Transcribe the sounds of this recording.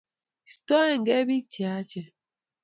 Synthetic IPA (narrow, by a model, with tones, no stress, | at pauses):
stɔ˦ɛ˨ŋ̩˨ɡɛ˦bi˦ti˨a˦t͡ʃɛ˨